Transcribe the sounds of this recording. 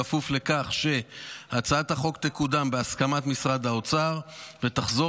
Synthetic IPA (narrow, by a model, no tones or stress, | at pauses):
afufle̞kaχʃe̞hat͡sat̪haχo̞ktekud̪ambeaskamat̪misʁad̪ao̞t͡saʁvet̪aχzo̞